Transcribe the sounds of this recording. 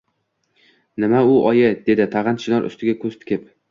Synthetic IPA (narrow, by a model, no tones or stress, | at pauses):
nɪmaʊɒjɪd̪e̞d̪ɪt̪ʰaʁɨnʃɪnɒɾʔʊ̰st̪ʰɪɡʲakʰɵst̪ʰɪ̥kʲʰɪp